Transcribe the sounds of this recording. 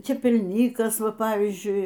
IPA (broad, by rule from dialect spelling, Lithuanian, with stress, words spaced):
t͡ʃʲɛpʲɛlʲˈnʲiːkɐs ˈʋɐ ˈpɑːʋʲiːzʲd͡ʒʲʊɪ